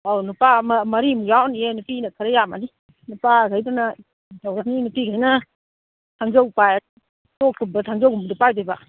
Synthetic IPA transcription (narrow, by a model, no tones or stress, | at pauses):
awnupammɐɾimujawnijenupinɐkʰaɾajama̰ni | nupakajdana | tawɾaninupiɡʰajnɐ | tʰaŋzawpaj | tokʰːubɐtʰaŋzawkʰumbdɔpajbajba̰